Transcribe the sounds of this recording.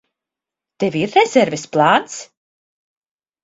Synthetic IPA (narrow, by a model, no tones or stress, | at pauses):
d̪̥ɛvirθɛsɛɾvɪsplˠaːnts